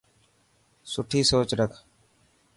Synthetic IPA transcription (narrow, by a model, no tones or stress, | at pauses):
sʊʈʰiːsoːt͡ʃɾəkʰ